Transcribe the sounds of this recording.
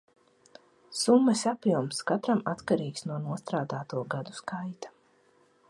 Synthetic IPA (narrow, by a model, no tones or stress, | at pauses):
sumːɐsapjuɔmskat̪ɾamat̪kaɾiːksnuɔnuɔst̪ɾaːd̪aːt̪uɔɡad̪uskajt̪ḁ